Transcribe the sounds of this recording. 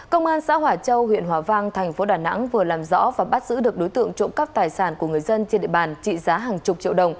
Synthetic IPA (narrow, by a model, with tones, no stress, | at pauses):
kə˧wŋ͡mʔaː˧nsa̰ː˧˥ɦwaː˨˩t͡ɕə˧wɦwḭ˧˨ənɦwaː˨˩vaː˧ŋt̪ʰɛ˨˩jŋ̟fo˨˦ɗaː˧˩na̰˧˥ŋvɨ˨˩əlaː˨˩mzɔ̰˧˥vaː˨˩ɓa˦˥t̚zɨ̰˧˥ɗɨ˨˩ək̚ɗo˨˦jt̪ɨ̰˧˨əŋt͡ɕo̰˧˨ŋ͡mka˦˥p̚t̪aː˨˩jsaː˧˩nku˧˩əŋɨ˨˩əjzə˧nt͡ɕnɗḭ˧˨ɓaː˨˩nt͡ɕḭ˧˨zaː˨˦ɦaː˨˩ŋt͡ɕʊ˨˩k͡p̚t͡ɕḭ˧əwɗə˨˩wŋ͡m